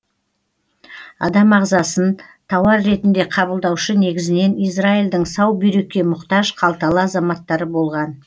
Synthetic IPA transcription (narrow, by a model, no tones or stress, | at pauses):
ɑ̰d̪ɑmɑʁzɑsənt̪ʰɑwɑɾːe̞t̪ɪnd̪e̞qʰɑbəlˠd̪ɑwʃəne̞ɡʲɪzɪne̞nijs̬raild̪ɪŋsɑwbijɾe̞kʲːe̞mʊqt̪ɑʒqʰɑlˠt̪ɑlˠəɑzɑmɑt̪ːɑɾəbo̞lˠʁɑn